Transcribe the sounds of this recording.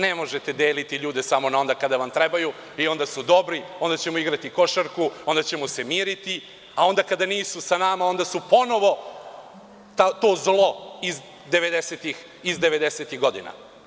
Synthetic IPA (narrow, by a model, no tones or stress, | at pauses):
ne̞mo̞ʒet̪e̞d̪e̞ːlit̪iʎuːd̪e̞samo̞nao̞nd̪akad̪aʋamt̪ɾebaju | io̞nd̪asud̪o̞bɾio̞nd̪at͡ɕe̞moiɡɾat̪iko̞ʃaɾkuo̞nd̪at͡ɕe̞mosemiːɾit̪i | ao̞nd̪akad̪aniːsusanamao̞nd̪asupo̞no̞ʋo̞ | t̪at̪o̞ːzlˠo̞iz | d̪e̞ʋe̞d̪eset̪ix | izd̪eʋe̞d̪e̞set̪iɣɡo̞d̪ina̰